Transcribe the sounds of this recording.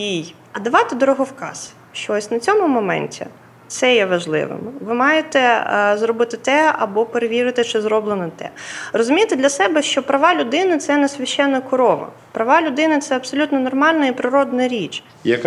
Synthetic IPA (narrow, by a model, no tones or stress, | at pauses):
ij | ɐd̪ɐʋɑt̪ɪd̪ɔɾɔɦɔwkɑ̰s | ʃt͡ʃɔɔsʲnɐt͡sʲɔmʊmɔmɛ̰nʲtʲḭ | t̪sɛjɛʋɐʒlˠɪ̰ʋɪ̰mʋɪmɑjet̪ɛzrɔbɪt̪ɪt̪ɛɐ̰bɔpeɾeʋʲiɾɪt̪ɪt͡ʃɪzɾɔblˠenɐt̪ɛ̰rɔzʊmʲijt̪ɪd̪lʲɐsɛbɛʃt͡ʃɔpɾɐʋɑlʲʊd̪ɪnɪt̪sɛnɛsʲʋʲɐʃɛnːɐkʊɾɔʋɐ̰ | pɾɐʋɑlʲʊd̪ɪnɪt̪sɛɐbsɔlʲut̪nɔnɔrmɑlʲnɐipɾɪɾɔd̪nɐɾʲit͡ʃ | jɐk